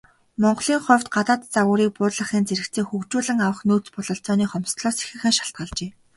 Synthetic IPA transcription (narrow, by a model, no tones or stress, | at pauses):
mɔɴɢɮiːŋχɔwʲt̪ɢat̪aːt̪t͡saɣʊːɾiːk̚pʊːɮə̆χiːnt͡seɾɘ̆kt͡sʰeːŋxɵkt͡ɕuːɮɘ̆ŋawə̆χnuːt͡spʊɮɞ̆ɬt͡sɔːniːχɔmst̪ɮɔːse̥xɘ̆xɘ̆ŋʃaɬt̪̚ɢə̆ɮt͡ɕeː